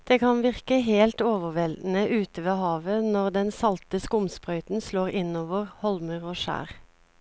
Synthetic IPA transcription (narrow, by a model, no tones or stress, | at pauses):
d̪̥eːkʰɑnʋɪʁkəɦeːlt̪oːʋəʁʋɛld̪n̩əʔʉːt̪əʋeːhɑːʋənɔʁd̪ɛnsɑlt̪əskʊmspʁœʏt̪n̩sloːʁɪnoːʋəʁhɔlməʁoːʃæ̰ːʁ